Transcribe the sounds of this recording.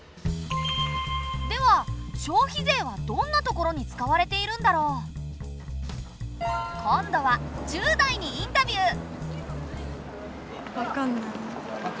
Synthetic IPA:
d̪e̞βaɕo̞ːçize̞ːβad̪õ̞nːat̪o̞ko̞ɾo̞ɲ̟it͡sɨ̥kaβaɾe̞t̪e̞iɾɯ̟̃nd̪aɾo̞ː | kʰõnd̪o̞βad͡ʑɨːd̪aiɲ̟iĩnt̪abʲjɯː | βakanːaj

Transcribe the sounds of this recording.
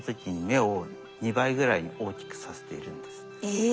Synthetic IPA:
t͡sɨkʲiɲ̟ime̞o | ɲibaiɡɯ̟ɾaiɲ̟iʔo̞ːkʲi̥kɯ̥sase̞̥t̪e̞ḭɾɯ̟̃nd̪e̞sɨ̥

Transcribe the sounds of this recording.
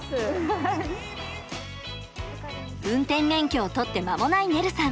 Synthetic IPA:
ɯ̟̃nt̪ẽ̞mmẽ̞ŋkʲo̞ːt̪o̞t̪ːe̞mamo̞naine̞ɾɯ̟sãŋ

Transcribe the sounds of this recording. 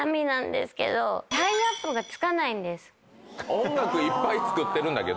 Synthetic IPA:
amʲinãnd̪e̞̰sɨ̥ke̞̰d̪o̰tainapːoɡat͡sɨ̥kanaĩnd̪e̞sɨ̥ | õŋɡakɯ̟ipːait͡sɨ̥kɯ̟t̪ːe̞ɾɯ̃nd̪ake̞d̪

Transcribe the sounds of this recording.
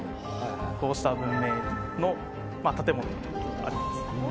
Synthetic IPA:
hajhajɸo̞ːsɨ̥t̪abɯ̟̃mːe̞ | no̞ | mat̪at̪e̞mo̞not̪ːet̪oa̰ɾʲimasɨ̥

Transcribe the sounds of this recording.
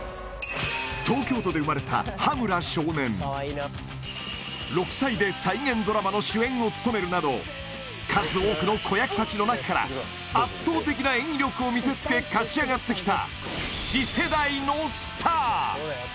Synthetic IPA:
t̪o̞ːkʲo̞ːt̪o̞d̪e̞ɯ̟maɾe̞t̪a̰hamɯ̟ɾaɕo̞ːnẽ̞n | ɾo̞kɯ̥said̪e̞saiŋẽ̞nd̪o̞ɾamano̞ɕɨẽ̞ŋ̃o̞t͡sɨ̥t̪o̞me̞ɾɯ̟nad̪o̞̰ | kʰazɨo̞ːkɯ̟no̞kʰo̞jakɯ̟̥t̪at͡ɕino̞nakakaɾa̰ | at̪ːo̞ːt̪e̞kʲinaẽ̞ŋ̃ɾʲo̞kɯ̟o̞mʲise̞t͡sɨ̥ke̞kat͡ɕiaɡat̪ːe̞kʲi̥t̪a̰ | ɕise̞d̪aino̞sɨ̥t̪ʰaː

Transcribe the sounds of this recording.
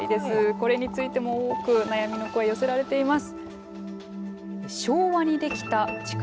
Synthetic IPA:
ḭd̪e̞sɨko̞ɾe̞ɲ̟it͡sɨit̪e̞mo̞oːkɯ̟najamʲino̞ko̞ejo̞se̞ɾaɾe̞t̪e̞imasɨ̥ | ɕo̞ːβaɲ̟id̪e̞kʲi̥t̪at͡ɕi̥k

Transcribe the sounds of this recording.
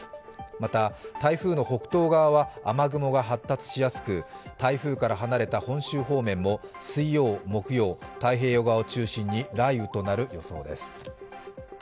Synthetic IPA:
mat̪at̪aiɸɯ̟ːno̞ho̞kɯ̟̥t̪o̞ːɡaβaβaamaɡɯ̟mo̞ɡaɦat̪ːat͡sɨ̥ɕijasɨ̥kɯ̟t̪aiɸɯ̟ːkaɾaɦanaɾe̞t̪ahõ̞ɕɨːɦo̞ːmẽ̞mːo̞ | sɨio̞ːmo̞kɯ̟jo̞ːt̪aiɦe̞ːjo̞ɡaaot͡ɕɨːɕĩɲ̟ːiɾaiɯ̟t̪o̞naɾɯ̟jo̞so̞̰ːd̪e̞̰sɨ̥

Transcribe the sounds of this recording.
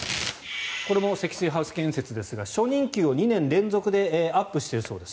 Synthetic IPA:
ko̞ɾe̞mo̞se̞kʲi̥sɨiɦaɯ̟sɨ̥kẽ̞se̞t͡sɨd̪e̞sɨɡaɕo̞ɲ̟ĩŋkʲɨːo̞ɲ̟inẽ̞nɾẽ̞nd͡zo̞kɯ̟d̪e̞apːɯ̟ɕi̥t̪eɾɯ̟so̞̰ːd̪e̞s

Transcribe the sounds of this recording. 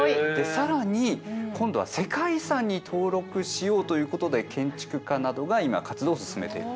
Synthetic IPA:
d̪̥e̞saɾaɲ̟ikõ̞nd̪o̞βa̰se̞kaisãɲ̟ːit̪ʰo̞ːɾo̞kɯ̟ɕijo̞ːt̪o̞jɯ̟ːkot̪o̞d̪e̞kʰẽ̞ɲ̟t͡ɕi̥kɯ̟kanad̪o̞ɡaima̰kat͡sɨd̪o̞ːsɨ̥sɨme̞t̪e̞̰ḭɾɯ̟

